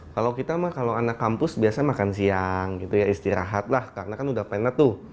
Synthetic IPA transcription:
kalawkit̪amahkalawanakːampʊsbiasamakansiaŋɡit̪ujaist̪iɾa̰ɦat̪̚lahkarnakanudahpanat̪ːʊ

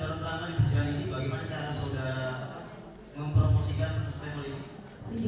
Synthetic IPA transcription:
aɾat̪əlaŋadibəsəɾaninibaɡajmanat͡ʃaɾasəuda | məmpɾoposikanst̪ɛmlim

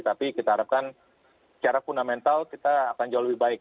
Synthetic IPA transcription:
t̪apikit̪ahaɾap̚kan | t͡ʃaɾafundamɛnt̪alkit̪aːkand͡ʒawaləbɪhbaɪk̚

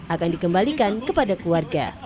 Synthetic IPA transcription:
ʔakandikəmbalikankəpadakluarɡa̰

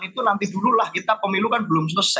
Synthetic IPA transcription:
nit̪unant̪id̪̥ululahkit̪apəmilukanbəlʊms̬usɛ

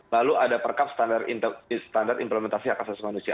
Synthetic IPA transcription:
laluʔadapərkapst̪andarst̪andart̪implɛmɛnt̪asiakasasimanusia̰

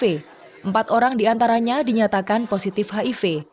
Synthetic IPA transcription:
e | ʔəmpat̪oɾaŋdiant̪aɾaɲadiɲat̪akanposit̪ɪfɦaife

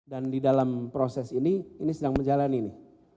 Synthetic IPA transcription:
dandidalampɾosɛsiniːnisədaŋməɲd͡ʒalaninɪ

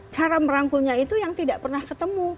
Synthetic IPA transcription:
t͡ʃaɾaməɾaŋkuɲait̪ujaŋt̪idaʔpərnahkət̪əmu

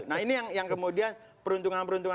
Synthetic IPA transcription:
nainijaŋjaŋkəmudian | pəɾunt̪uŋanpəɾunt̪uŋ

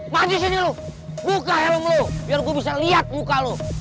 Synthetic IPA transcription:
mad͡ʒisiɲilo | mukaɦɛlamlobiarɡuabis̬aliat̪̚mukalo

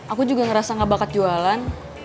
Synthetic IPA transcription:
ʔakud͡ʒuɡaŋəɾasaŋabakat̪̚d͡ʒualan

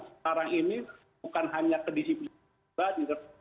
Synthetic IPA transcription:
saɾaŋini | ukanɦaɲakədisipli | at̪̚nikə

